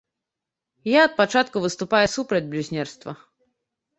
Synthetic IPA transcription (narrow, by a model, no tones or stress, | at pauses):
jaɐt̪̚pat͡ʂat̪kuvɨst̪ʊpajɛsupɾɐd͡zʲblʲuzʲnʲɛrst̪vɐ̰